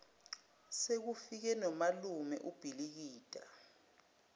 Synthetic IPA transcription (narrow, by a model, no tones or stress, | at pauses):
sek̬ufik̬ɛnɔmalumɛ̰ʔub̥ʱilik̬iːd̥ʼa̰